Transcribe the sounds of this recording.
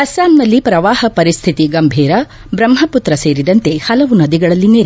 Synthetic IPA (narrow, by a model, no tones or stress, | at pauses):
ɐsaːmnɐlːipɾɐʋaːhɐpɐɾist̪ʰit̪iɡɐmbʱiːɾɐ | bɾɐmɦɐput̪ɾɐseːɾid̪ɐnt̪e̞hɐlɐʋunɐd̪iɡɐɭɐlːineːɾ